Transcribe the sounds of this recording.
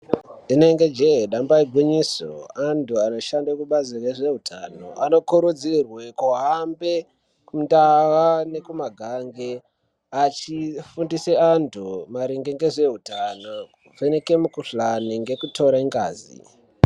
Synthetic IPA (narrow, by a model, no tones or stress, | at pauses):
ineŋɡe̞d͡ʒeɦeɗambaiɡʱwiɲiso̰antʰuano̞ʃandakuɓazireʐe̞ɦutʰano̞̰ʔano̞kuɾud͡zirwe̞kuɦambe̞ | kumndawane̞kumaɡʱaŋɡe | at͡ʃifundiseantʰumaɾiŋɡeŋɡe̞ʐe̞ɦutanouveneke̞mukuɬaniŋɡe̞kutʰo̞ɾaiŋɡa̰ːzḭ